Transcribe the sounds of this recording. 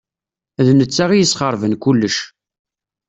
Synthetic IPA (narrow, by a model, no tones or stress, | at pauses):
ðnət͡sːaʁijəsχəɾˤvənkulːəʃ